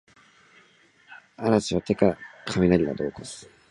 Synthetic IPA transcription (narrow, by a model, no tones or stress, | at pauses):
aɾat͡ɕiβat̪e̞kakʰamʲinaɾʲid̪a̰d̪o̞̰ːkosɨ̥